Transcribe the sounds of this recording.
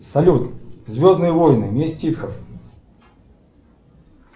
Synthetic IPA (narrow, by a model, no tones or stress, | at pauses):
sɐlʲut̪zʲvʲɔznɨjəvɔjnɨmʲesʲtʲixɐf